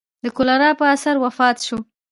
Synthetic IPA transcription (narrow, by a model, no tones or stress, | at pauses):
d̪əkʊlaɾɑpəasaɾwafɑt̪ʃo